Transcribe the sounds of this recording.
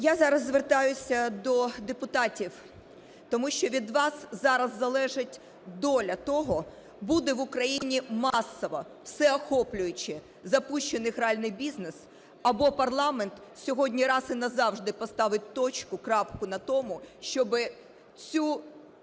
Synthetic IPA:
jazɑɾɐzzʋert̪ɑjʊsʲɐd̪ɔd̪epʊt̪ɑtʲiw | t̪ɔmuʃt͡ʃɔʋʲid̪ʋɑszɑɾɐzːɐlˠɛʒɪtʲ | d̪ɔlʲɐt̪ɔɦɔ | bud̪ɛʋʊkɾɐjinʲimɑsːɔʋɔ | wsɛɔxɔplʲʊjʊt͡ʃɪ | zɐpuʃt͡ʃenɪɣɾeɑlʲnɪjbʲiznes | ɐbɔpɐrlˠɑment̪sʲɔɦɔdʲnʲiɾɑsɪnɐzɑwʒd̪ɪpɔst̪ɑʋɪt̚ʲt̪ɔt͡ʃkʊkɾɑpkʊnɐt̪ɔmʊʃt͡ʃɔbɪ | t͡sʲu

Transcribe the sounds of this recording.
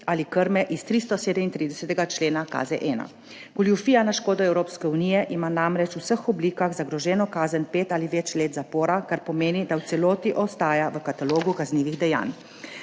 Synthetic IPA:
alikəɾmɛʔist̪ɾist̪ɔseːd̪ɛmint̪ɾid̪ɛsɛt̪ɛɡat͡ʃleːnaka̰ːzɛ̰ʔɛːna̰ | ɡ̥uljufiːjanaʃkoːd̪ɔɛwɾoːpskɛunijɛʔimanamɾɛt͡ʃusəxɔbliːkaɣzaɡɾɔʒɛːnɔkaːzənʲpeːt̪aːliʋɛːt͡ʃleːt̪zapoːɾakaɾpɔmeːnid̪awt̪sɛloːt̪iʔɔst̪aːjaʋəkat̪aloːɡukazniːʋiɣd̪ɛja̰ːn

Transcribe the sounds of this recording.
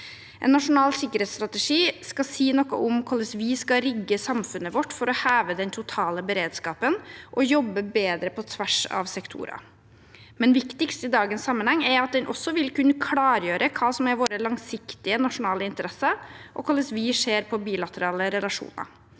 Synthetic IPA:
ʔɛ̰nːɑʂʊnɑːlsɪkːəɾɛːt̪st̪ɾɑt̪əʂiːskɑsiːnɔkːə̰ʔʊmkʰɔlːəsʋɪskɑɾɪɡːəsɑmfʉnːəʋɔʈːfɔɾɔhæːʋəd̪ɛnt̪ʰʊt̪ʰɑːləbəɾeːd̪skɑːpənʔɔjɔbːəbeːd̪ɾəpʰɔt̪ʰʋæʂɑ̰ʋsɛkt̪ʰṵːɾɑ̰ | mɛnʋɪkt̪ɪkst̪ɪd̪ɑːɡənsːɑmːənhɛŋːɛɾɑt̪̚d̪ɛnʔɔ̰sːɔʋɪlkʉnːəkʰlɑːɾjøːɾʔəkʰɑːsɔmæɾʋoːɾəlɑŋsɪkt̪ɪənɑʂʊnɑːləɪnt̪əɾɛsəʔɔ̰kʰɔlːəsʋɪʂeːɾpʰɔbiːlɑt̪əɾɑːləɾɛlɑʂṵːnɑ̰

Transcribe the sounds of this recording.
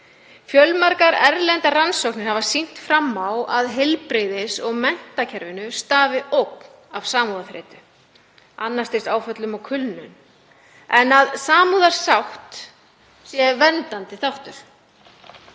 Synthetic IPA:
fjœlmaɾkaɾɛɾlɛnt̪aransɔwknɪɾhavasin̥t̪fɾamːawʔaðɦɪlpɾejðɪsɔɣmɛn̥t̪acʰɛɾvɪnʏst̪aːvɪʔowk̪ | av̥saːmuðafɾɪ̰ːt̪ʏ | anːast̪ɪsaːwfœt̪lʏmawkʰʏlnʏn | ɛnaðsaːmuːðaɾ̥sawht̪ | sjɛvɛnt̪ant̪ɪθawht̪ʏɾ̥

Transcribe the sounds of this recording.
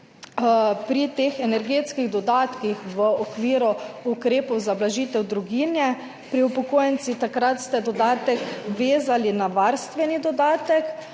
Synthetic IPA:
pɾit̪eːxɛnɛɾɡeːt̪skiɣd̪ɔd̪aːt̪kixʋəɔkʋiːɾuukɾeːpɔwzablaʒiːt̪ɛwd̪ɾuɡiːnjɛ | pɾiupɔkoːjɛnt̪sit̪akɾat̪st̪ɛd̪ɔd̪aːt̪ɛkʋeːzalinaʋaɾst̪ʋɛnid̪ɔd̪aːt̪ɛk

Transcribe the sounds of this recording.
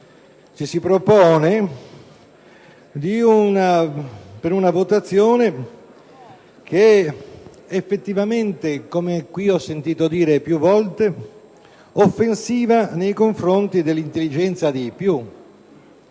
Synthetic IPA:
t͡ʃisipɾopɔːne | d̪iunapeɾunavot̪at̪sːjoːne | keɛ | efːet̪ːivament̪ekomekwiɔsːent̪iːt̪od̪iːɾepjuvːɔlt̪e | ofːensiːvanejkoɱfɾont̪id̪elːint̪elːid͡ʒɛnt̪sad̪ipju

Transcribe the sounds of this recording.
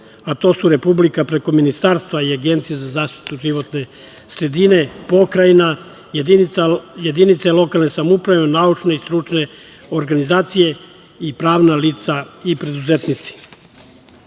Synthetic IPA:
at̪o̞ːsuɾe̞publikapɾe̞ko̞minist̪aːɾst̪ʋaiaɡe̞nt̪sijezazaːʃt̪i̥t̪uʒiʋo̞t̪ne̞ | sɾe̞d̪ine̞po̞kɾaina | iajed̪init̪salo̞kalnesamupɾaʋenaut͡ʃne̞ist̪ɾut͡ʃne̞ | oɾɡanizaːt̪sije̞ | ipɾaːʋnaliːt̪saipɾe̞d̪uzet̪nit̪si̥

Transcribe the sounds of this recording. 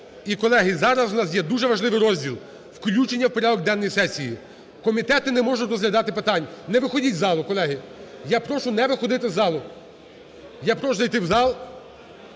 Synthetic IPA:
ikɔlˠɛɦɪzɑɾɐswnɑs̬jɛd̪uʒɛʋɐʒlˠɪʋɪjɾɔzʲdʲilˠ | wklʲut͡ʃenʲːɐwpɔɾʲɑd̪ɔɡ̚d̪ɛnːɔjisɛsʲiji | kɔmʲit̪ɛt̪ɪnɛmɔʒʊtʲrɔzɦlʲɐd̪ɑt̪ɪpɪt̪ɑnʲnɛʋɪxɔdʲitʲzɑlˠʊkɔlˠɛɦɪjapɾɔʃʊnɛʋɪxɔd̪ɪt̪ɪzɑlˠʊ | japɾɔʃʊzɐjt̪ɪwzɑlˠ

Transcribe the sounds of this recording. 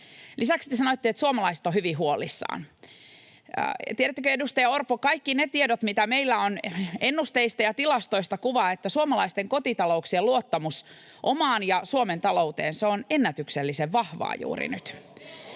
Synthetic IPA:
lʔisæksi̥t̪esɑnot̪ːiet̪suomɑlɑise̥t̪ohyʋiɦuolisːɑ̰ːn | t̪ieɾæt̪ːøkøedust̪ɑjɑorpokɑikːinet̪iedot̪mit̪æmeilːæone̞nːust̪eist̪ɑjɑt̪ilɑst̪o̞ist̪ɑkuʋɑːet̪ːæsuomɑlɑist̪eŋko̞t̪it̪ɑlo̞uksieluot̪ːɑmus | ʔomɑːnjɑsuoment̪ɑlo̞ut̪ḛːnseone̞nːæt̪ykselːiseʋːɑhʋɑ̰ːjṵːɾḭnyt̪

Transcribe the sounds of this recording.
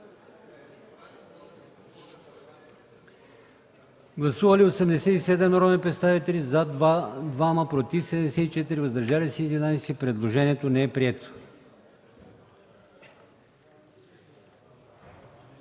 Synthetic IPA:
ɡlˠɐsuvəliosɛmd̪ɛsɛt̪isɛd̪ɛmɾɔmɛnpɾɛt̪st̪avit̪ɛlizad̪vaməpɾot̪ifsɛd̪ɛmd̪ɛsɛt̪it͡ʃɛt̪iɾivəzd̪ɐɾʒalisɛːd̪inajsɛpɾɛd̪lˠoʒɛniɛt̪onɛɛpɾiɛt̪o̥

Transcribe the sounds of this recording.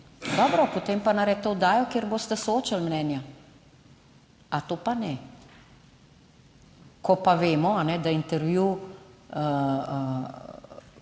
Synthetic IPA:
d̪ɔbɾɔpot̪eːmpanaɾɛt̪ɔʊd̪aːjɔkjeːɾboːst̪ɛsooːt͡ʃalmnɛːnja | at̪oːpanɛ | kɔpaʋeːmɔanɛd̪aint̪ɛɾʋju

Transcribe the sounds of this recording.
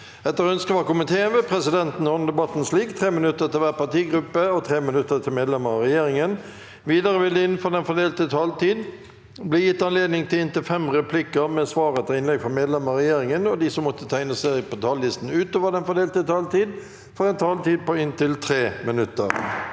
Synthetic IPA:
ɛt̪ːəʁœnskəʋɑkʊmɪnt̪ʰeːənʋɛpʰʁɛsɪd̪ɛnt̪n̩ɔnəd̪ɛbɑt̪ːnsliːkt̪ʰʁeːmɪnʉt̪ːət̪ɪlʋæːʁpɑt̪iːɡɾʉpːəɔt̪ʰʁeːmɪnʉt̪ːət̪ʰɪlmeːd̪lɛməʁɑʁɛjeːɾɪŋən | ʋiːd̪ɑʁəʋɪld̪əɪnfɔd̪ɛnfɔd̪eːlt̪ət̪ʰɑːlt̪iːd̪ | bliːjɪt̪ːɑnleːd̪nɪŋt̪ɪlɪnt̪ɪlfɛmʁɛpʰlɪkəmɛsʋɑːʁət̪ʰɪlɪnlɛɡfɔmeːd̪lɛməʁɛjeːɾɪŋənɔd̪ɪsɔmːɔt̪ːət̪ʰæɪnəsæpɔt̪ʰɑːlːɪst̪n̩ʉːt̪oːʋəʁd̪ɛnfɔd̪eːlt̪ət̪ʰɑːlt̪iːd̪ | fɔɛnt̪ʰɑːlt̪iːd̪̚pɔɪnt̪ɪlt̪ʰʁeːmɪnʉt̪ːə̰ʁ

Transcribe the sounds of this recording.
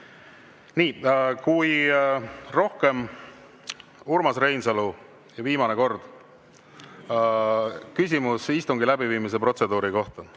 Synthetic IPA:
niːkuj | ro̞hke̞m | urmɑsre̞jnselu | jɑviːmɑneko̞rd̪̥ | kys̬ʲimusist̪uŋɡilæbiviːmis̬e̞pro̞t̪se̞d̪uːɾiko̞ht̪ɑ

